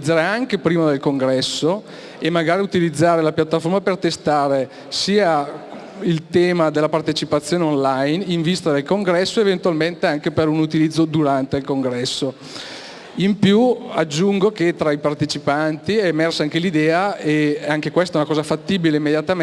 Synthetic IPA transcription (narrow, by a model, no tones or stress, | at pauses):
d̪zːaːɾeaŋkepɾiːmad̪elkoŋɡɾɛsːo | emːaɡaːɾiut̪ilid̪zːaːɾelapjat̪ːafoɾmapert̪est̪aːɾe | siːa | ilt̪ɛːmad̪elːapart̪et͡ʃipat̪sːjoːneonlajniɱvist̪ad̪elkoŋɡɾɛsːoevent̪ualment̪eaŋkepeɾunut̪ilid̪zːod̪uɾant̪eilkoŋɡɾɛsːo | impjuad͡ʒːuŋɡoket̪ɾaipart̪et͡ʃipant̪iɛːmɛrsaaŋkelid̪ɛːaeaŋkekwest̪aɛunakɔːzafat̪ːiːbileimːed̪jat̪am